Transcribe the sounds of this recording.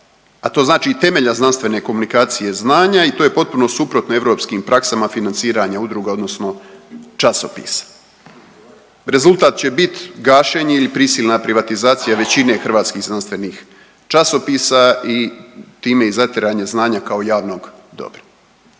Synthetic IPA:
at̪o̞ːznaːt͡ʃit̪e̞me̞ʎaznanst̪ʋe̞ne̞ko̞munikaːt̪sije̞znaːɲait̪oje̞po̞t̪̚puno̞supɾo̞t̪no̞e̞ʋɾo̞pskimpɾʔaksamafinansiːɾaɲaud̪ɾuɡao̞d̪no̞sno̞t͡ʃaso̞pḭːsḁ | ɾe̞zulˠt̪aːt̪̚t͡ɕe̞bit̪ɡaːʃeɲeilipɾisiːlʲnapɾiʋat̪izaːt̪sijaʋe̞t͡ɕine̞xr̩ʋaːt̪skiːɣznanst̪ʋe̞niːx | t͡ʃaso̞piːsait̪iːme̞izat̪eɾaːɲeznaːɲakao̞jaːʋno̞ːɡd̪o̞̰bɾo

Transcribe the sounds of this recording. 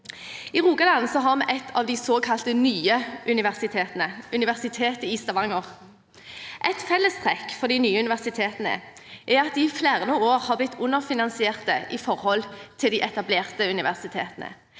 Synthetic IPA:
ɪʁuːɡɑd̪ɑnsɔɦɑʁmɛʔɛt̪ʰːɑʋd̪ɪsoːkʰɑlt̪ənyːəʔʉnɪʋæʁsɪt̪ʰeːt̪ənəʉnɪʋæʁsɪt̪ʰeːt̪əiːst̪ɑʋɑŋəʁ | ʔɛt̪fɛlːəst̪ʰʁɛkːfɔd̪ɪnyːəʉnɪʋæʁsɪt̪ʰeːt̪ənə̰ | ʔɛʁɑt̪̚d̪ɪːfleːʁənɔoːʁhɑblɪt̪ʰːʊnːəʁfɪnɑnsɪeːʁt̪əʔɪfɔʁhɔlt̪ʰɪld̪ɪʔɛt̪ɑbleːʁt̪əʉnɪʋæʁsɪt̪ʰeːt̪ənə̰

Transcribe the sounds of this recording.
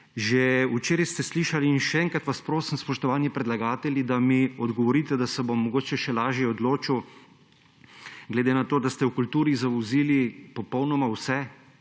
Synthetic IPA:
ʒɛut͡ʃeːɾist̪ɛsliʃaliːnʃɛɛŋkɾat̪ʋaspɾoːsimspɔʃt̪ɔʋaːnjipɾɛd̪laɡaːt̪ɛljid̪amiɔd̪ɡɔʋɔɾiːt̪ɛd̪asɛbomːɔɡoːt͡ʃɛʃɛlaːʒjɛɔd̪loːt͡ʃiw | ɡlɛd̪eːnat̪oːd̪ast̪ɛwkult̪uːɾizaʋɔziːlipɔpɔwnɔmawsɛ

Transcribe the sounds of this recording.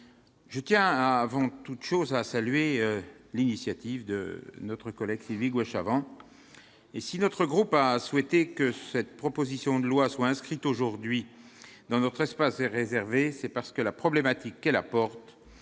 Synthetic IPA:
ʒət̪jɛ̃avɑ̃t̪ut̪ʃozasalɥelinisjat̪ivd̪ə̰nɔt̪χəkɔlɛɡsilviɡwɛʃavɑ̃ | esinɔt̪χəɡʁupaswɛt̪ekəsɛt̪̚pχɔpozisjɔ̃d̪əlwaswaɛ̃skχit̪oʒuʁd̪ɥi | d̪ɑ̃nɔt̪χɛspasɛʁezɛʁvesɛpaʁsə̥kəlapχɔblemat̪ikːɛlapɔʁt̪

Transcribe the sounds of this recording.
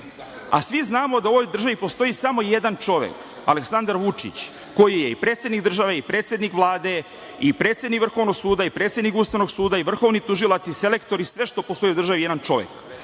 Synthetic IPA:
a̰sʋiznaːmo̞d̪ao̞ʋo̞jd̪r̩ʒaʋipo̞st̪o̞isamo̞je̞d̪ant͡ʃo̞ʋḛk | aleksand̪aɾʋut͡ʃḭt͡ɕ | ko̞jijeipɾe̞ːt̪sjed̪niɡd̪r̩ʒaʋeipɾet̪sjed̪nikʋlˠaːd̪e̞ | ipɾe̞ːt̪sjed̪nikʋr̩xo̞ʋnoɡsuːd̪aipɾet̪sjed̪nikuːst̪aʋno̞ɡsuːd̪aiʋr̩xo̞ʋnit̪uʒilˠat̪sise̞le̞kt̪o̞ɾisʋe̞ʃt̪o̞post̪o̞iud̪rʒaʋijed̪ant͡ʃo̞ʋjḛk

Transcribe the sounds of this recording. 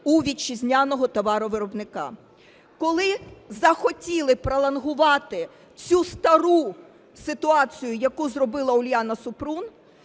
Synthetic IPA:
uʋʲit͡ʃːizʲnʲanɔɦɔt̪ɔʋɑɾɔʋɪɾɔbnɪkɑ̰ | kɔlˠɪzɐxɔtʲilˠɪpɾɐlˠɐnɦʊʋɑt̪ɪ | t͡sʲust̪ɐɾu | sɪt̪ʊɑt͡sʲijʊjɐkuzrɔbɪlˠɐʊlʲjanɐsʊpɾun

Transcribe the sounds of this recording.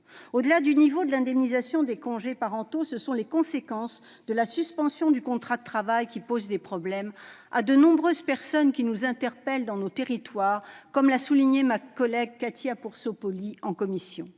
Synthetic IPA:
od̪əlad̪ynivod̪əlɛ̃d̪ɛmnizasjɔ̃d̪ekɔ̃ʒepaʁɑ̃t̪osəsɔ̃lekɔ̃sekɑ̃s | d̪əlasyspɑ̃sjɔ̃d̪ykɔ̃t̪χad̪ət̪χavajkʲipozd̪epχɔblɛma̰d̪ənɔ̃bʁøzpɛʁsɔnkʲinuzɛ̃t̪ɛʁpɛld̪ɑ̃not̪eʁit̪waʁkɔmlasuliɲemakɔlɛɡ̚kat̪ʰiapuʁsopɔliɑ̃kɔmisjɔ̰̃

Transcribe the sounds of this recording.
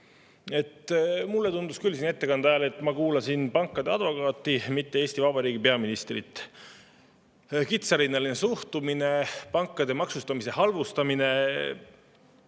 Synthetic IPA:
e̞t̪mulːet̪und̪̥uskylsine̞t̪ːekɑnd̪æelet̪ːˑmɑkuːlɑsinpɑŋkːˑɑd̪e̞ɑd̪vo̞kɑːt̪ːˑimit̪ːe̞eːsʲt̪ivɑb̥ɑɾiːɡipe̞ɑminist̪rḭt̪ːˑ | kit̪sɑɾinːɑlinesuht̪umine̞pɑŋkːˑɑd̪e̞mɑksust̪ɑmise̞hɑlvust̪ɑmine̞

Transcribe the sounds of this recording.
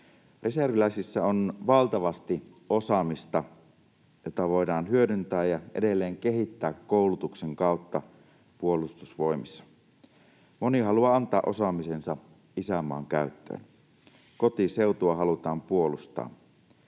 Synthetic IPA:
reserʋilæisisːæonʋɑlt̪ɑʋɑst̪i | ʔo̞sɑmist̪ɑ | jot̪ɑʋo̞jdɑːnɦyødynt̪æːjjɑʔḛdelːeːŋke̞ɦit̪ːæːkːoˑulut̪ukseŋkɑˑut̪ːɑ | puolust̪usʋo̞imisːɑ̥ | moniɦɑluɑɑnt̪ɑːʔo̞sɑmisensɑ | isæmːˑɑ̰ːŋkæyt̪ːø̰ːn | ko̞t̪ise̞ut̪uɑɦɑlut̪ɑːmpuolust̪ɑ̰ː

